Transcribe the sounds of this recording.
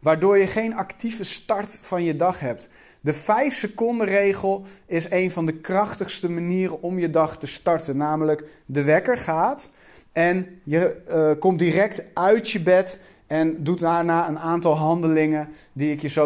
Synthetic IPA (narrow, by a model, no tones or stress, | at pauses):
ʋaːɹdʊːɹjəχejnɑktivəstɑɹtfɑnjədɑχɦɛp̚t | dəfɛjfsəkɔndərejχəlˠɪsejnvɑndəkrɑχtəχstəmaniːɾəɔmjədɑχtəstɑɹtənaːmələkdəʋɛkəɹχaːt | ɛnjəkɔmtdirɛk̚tœɥtjəbɛt | ɛndut̚daːɹnaːənaːntɑlˠɦɑndəlɪŋən | diɪkjəzo